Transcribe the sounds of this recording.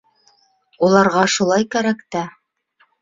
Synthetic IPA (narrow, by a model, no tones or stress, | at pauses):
ulˠɑɾʁɑʃulˠɑjkæɾækt̪æ